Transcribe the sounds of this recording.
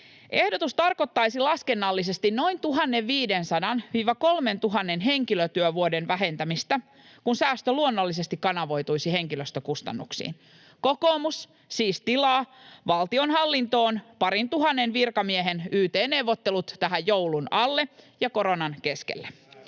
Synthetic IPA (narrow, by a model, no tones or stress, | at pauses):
ʔe̞hdot̪ust̪ɑrko̞t̪ːɑjsilɑske̞nːɑlːis̬e̞st̪inno̞int̪uɦɑnːeʋiːdensɑdɑnʋiːʋɑko̞lme̞nt̪uɦɑnːenɦe̞ŋkiløt̪yøʋuodenʋæɦe̞nt̪æmist̪æ | kunsæːst̪øluonːolːis̬est̪ikkɑnɑʋo̞jt̪ujsiɦe̞ŋkiløst̪økust̪ɑ̰nːuksḭːn | ko̞ko̞ːmusː | iːst̪ilɑːʋɑlt̪io̞nɦɑlːint̪o̞ːnpɑɾint̪uɦɑnːenʋirkɑmieɦe̞nyːt̪eːnːe̞wʋːot̪ːe̞lut̪t̪æɦæjjowlunɑlːe̞ | jɑko̞ɾo̞nɑnke̞skḛlːæ